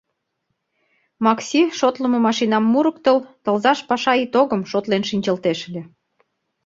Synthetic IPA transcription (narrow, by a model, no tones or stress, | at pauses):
mɑksʲiʃot̪lə̆mɤ̆mɑʃinɑmːuɾək̚t̪əlt̪ə̆lzɑʃpɑʃɑit̪oɣəmʃot̪lenʃinʲt͡ɕə̆lt̪eʃelʲĕ